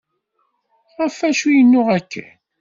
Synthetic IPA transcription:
ʁəfæʃujənːʊʁækːæ̰

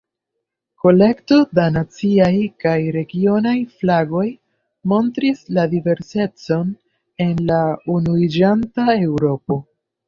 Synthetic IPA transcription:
ko̞le̞kto̞danat͡siajkajɾe̞ɡio̞najflaɡo̞j | mo̞ntɾisladive̞ɾse̞t͡so̞n | e̞nlaunuid͡ʒantae̞wɾo̞po̞

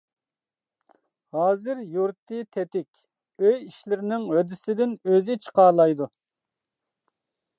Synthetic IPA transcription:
hɑːzɪɾjuɾt̪ʰːɨt̪ʰɛt̪ɪkʲ | øjiʃlɪɾɪnɪŋhød̪ɪsɪd̪ɪnøzɪt͡ʃʰə̥qɑɾlˠɑjd̪u

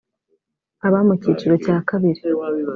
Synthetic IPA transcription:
aβamucit͡ʃiɾo̞caːkaβiɾi

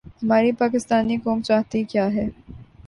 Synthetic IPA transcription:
hɐmaːɾipaːkɪst̪aːnikoːmt͡ʃaːɦt̪ikjaːɦɛː

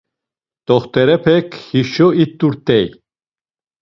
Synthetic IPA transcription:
t̪ɔχt̪ʰʼɛɾɛpʰɛkʰhiʃɔit̪ʼːuɾt̪ʼɛj

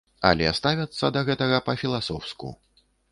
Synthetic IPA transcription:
ɐ̰lʲɛ̰st̪avʲɐt̪sːɐd̪ɐɣɛt̪ɐɣɐpɐfʲilˠasɔwskṵ

